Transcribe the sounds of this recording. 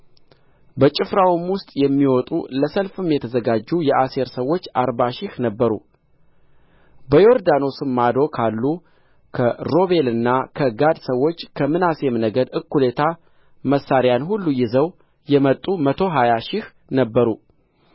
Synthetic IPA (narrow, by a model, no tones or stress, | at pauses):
bət͡ʃʼɪfɾawmwʊst̪ʼjɛmːiwɔt̪ʼṵləsəlfɨmjɛt̪ʰəzəɡad͡ʒːujɛʔase̞ɾsəwːo̞t͡ʃːaɾbaʃɪhnəbːəɾṵ | bəjoɾd̪ano̞sɨmːad̪o̞kʰalːu | kʰəɾo̞βe̞lɨnːakʰəɡad̪səwːo̞t͡ʃːkʰəmɨnasemnəɡəd̪ɨkːule̞t̪ʰa | məsːaɾjanhulːujɪzəw | jɛmət̪ʼːumət̪ʰo̞ɦajaʃɪh | nəbːəɾu